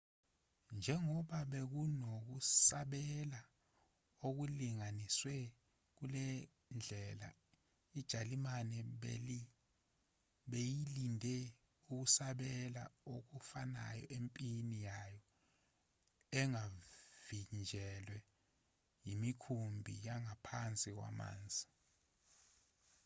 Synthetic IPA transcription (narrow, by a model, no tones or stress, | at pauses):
nd͡ʒʱɛŋɔɓaɓek̬unok̬usaɓɛla | ok̬uliŋaniswɛ | k̬ulɛ | nd͡ɮʱɛla̰ | id̥ʒ̥ʱalimanɛɓi | ɓejilindʱɛ | uk̬usaɓɛla̰ok̬ufana̰jɔ̰ʔempʼinijajɔ | ɛŋavind͡ʒʱɛlwɛ | jimikʰumbʱḭjaŋapʰant͡sʼik̬wa̰ma̰ːnd͡zʱi